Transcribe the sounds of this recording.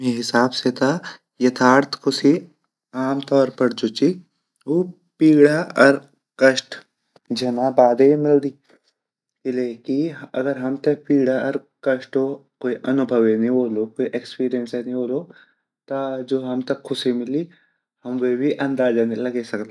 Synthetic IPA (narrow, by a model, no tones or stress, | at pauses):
eɦɪsaːbset̪ʰa | jɐt̪ʰaːɾt̪ʰkʰʊsi | aːmt̪ɔːɾpɐɾd͡ʒoːt͡ʃi | oː | piːɽaɐɾ | kɐʃʈ | d͡ʒɐnaːbaːd̪emɪld̪iː | ɪleːkiɐɡəɾɦɐmt̪ɐpiːɽaɔɾkɐʃʈokoːiʔɐnʊbʱəʋenĩboːlokoːiʔekspiːɾijənsenĩoːloː | t̪ad͡ʒoːɦɐmt̪ɐkʰːʊsimɪli | hɐmʋebʱiʔɐ̃nd̪aːd͡ʒanelɐɡesɐklaː